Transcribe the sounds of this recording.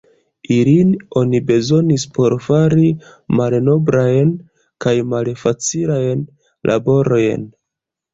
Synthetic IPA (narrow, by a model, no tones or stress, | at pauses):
ilino̞nibe̞zo̞nispo̞ɾfaɾimalno̞bɾajn | kajmalfat͡silajn | lʔa̰bo̞ɾo̞jn